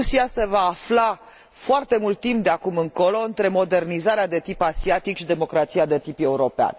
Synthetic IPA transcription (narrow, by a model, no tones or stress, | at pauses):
usiase̞vaːfla | foart̪e̞mult̪̚ːimp̚d̪eakumɨŋko̞lo̞ɨnt̪ɾe̞mo̞d̪e̞rnizaɾead̪e̞t̪ipasiat̪ikʃid̪e̞mo̞kɾat̪siad̪e̞t̪ipe̞uɾo̞pea̰n